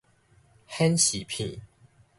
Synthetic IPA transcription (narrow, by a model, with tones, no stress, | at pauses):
hɛ˦nɕi˨˩pʰḭ̃˥˨